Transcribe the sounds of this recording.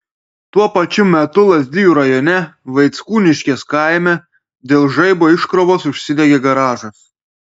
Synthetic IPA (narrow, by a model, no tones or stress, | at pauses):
t̪uɔpɐt͡ʃʲʊmʲɛt̪ʊlˠɐzʲd̪ʲɪjuːɾɐjɔːnʲɛʋɐɪt̪skuːnʲɪʃʲkʲeːskɑˑɪmʲɛ | d̪ʲeːlˠʒɐɪboːɪʃkɾoʋoːsʊʃʲsʲɪd̪ʲɛɡʲeɡɐɾɑːʒɐs